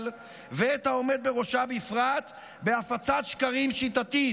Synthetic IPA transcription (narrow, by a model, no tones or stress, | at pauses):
l | veet̪hao̞me̞d̪̚be̞ʁo̞ʃabifʁat̪ | beafat͡sat̪ʃkaʁimʃit̪at̪i